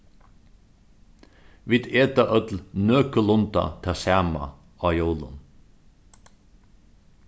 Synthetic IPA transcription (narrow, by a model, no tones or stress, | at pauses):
ʋid̪eːt̪ɑʔœt̪l̩nøːkəlʊnt̪ɑ̰t̪ʰɑsæmɑ̰ | ɑjoːlə̰n